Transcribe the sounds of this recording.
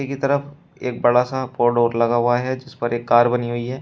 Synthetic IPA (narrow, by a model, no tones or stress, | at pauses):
ekit̪ɐɾəf | eːk̚bɐɽasapoːɖoːɾlɐɡaɦʊaɦɛd͡ʒɪspɐɾʔeːkːaːɾbɐniɦʊiɦɛː